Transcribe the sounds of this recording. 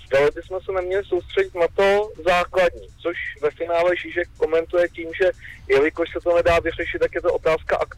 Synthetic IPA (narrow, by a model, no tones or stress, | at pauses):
zdalobɪsmɛsɛnɛmɲɛlɪso̞wst̪r̥ɛɟɪt̪nat̪o̞zaːkladɲiːt͡soʃvɛfɪnaːlɛʒiʃɛk̚ːomɛnt̪ujɛciːmʒɛjɛlɪkoʃsɛt̪o̞nɛdaːvɪr̝ɛʃɪt̪t̪ːakjɛt̪oʔot̪aːskaʔakt̪